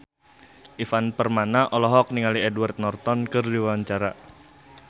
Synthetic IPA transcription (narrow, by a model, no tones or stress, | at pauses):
ʔifanpərmanaʔɔlɔɦɔk̚niŋaliɛdwart̪̚nɔrt̪ɔnkɨrdiwawaɲt͡ʃaɾa